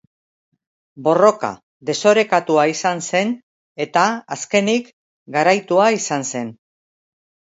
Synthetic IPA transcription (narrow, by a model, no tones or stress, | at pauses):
bo̞ro̞ka̰ | ðe̞so̞ɾe̞kat̪uaisanse̞n | e̞t̪aaske̞nik | ɡaɾajt̪uaisanse̞n